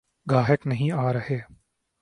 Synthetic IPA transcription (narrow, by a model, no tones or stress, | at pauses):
ɡʱaːɦɪknəɦĩːaːɾəheː